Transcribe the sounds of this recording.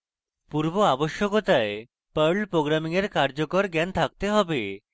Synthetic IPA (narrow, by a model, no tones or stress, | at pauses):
puɾboaboʃjokot̪ae | pəɾɭpɾoɡɾamiŋeɾkaɾd͡ʑokoɾɡɛnt̪ʰak̚t̪eɦɔbe